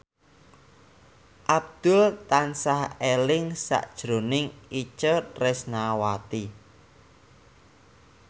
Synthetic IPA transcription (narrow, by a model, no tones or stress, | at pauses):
ʔab̚d̪̥ʊlt̪ansahelɪŋsa̰ʔd̥ʒ̥ɾo̤nɪŋit͡ʃətrɛsnawat̪i